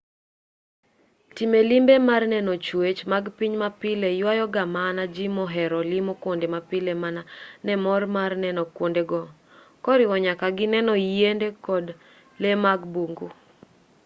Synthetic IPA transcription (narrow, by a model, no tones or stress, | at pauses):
timelimbemarnɛnɔt͡ʃwet͡ʃmaɡpiɲmapilejwajɔɡamanad͡ʒimɔɦɛɾɔlɪmokwondemapɪlemananɛmɔrmarnɛnɔkwondeɡɔ | kɔɾɪwɔɲakaɡɪnɛnɔendekɔd | lemaɡbuŋɡu